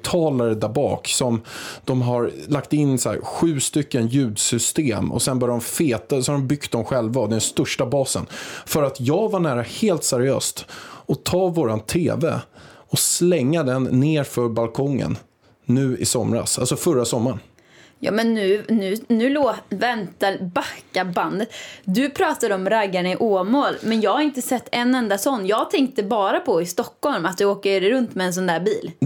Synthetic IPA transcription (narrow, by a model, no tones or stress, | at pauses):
t̪ʰɑːlaɾəd̪abɑ̰ːksɔmd̪̥ɔmɦaɾlakt̪ɪnːsæ̰ɾɧʉ̟ːst̪ʏkːənjʉ̟ːd̪sʏst̪eːmɔ̰sɛnbœːjaɾɔmfeːt̪asɔhaɖɔmbʏkt̪̚d̪ɔmɧɛlvad̪ɛnst̪ɵʂʈabɑːsə̰nfœɾat̪ʰjɑːɡvaɳæːɾaheːlt̪sɛɾɪø̰ːst̪ɔt̪ʰɑːvoːɾant̪ʰḛːvɛ̰ɔslɛŋːad̪ɛnːeːɾfœɾbalkʰɔŋːə̰nː | ʉ̟ːɪ̰sɔmɾa̰sa̰lsɔfœɾasɔmːaɳ | jɑ̰ːmɛnːʉ̟ːnʉ̟ːnʉ̟ːloːvɛnt̪aɾbakːaband̪ət̪d̪ɵpʰɾɑːt̪ad̪əɔmɾaɡːaɳaɪʔoːmoːlmɛnjɑːɡhaɾɪnt̪əsɛt̪ːɛnːɛnd̪asɔnːjɑːɡɡt̪ʰɛŋk̚t̪əbɑːɾapʰɔɪst̪ɔkːhɔlmat̪̚d̪ɵoːkəɾɾɵnt̪mɛːns̬ɔnd̪æːɾbiːl